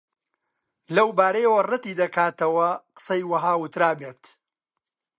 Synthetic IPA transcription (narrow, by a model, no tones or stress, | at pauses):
lɐwbaːɾɐjɐwɐrɨt̪iːd̪ɐkaːt̪ɐwɐqɨ̥sɐjwɐɦaːwʊt̪ɾaːbeːt̪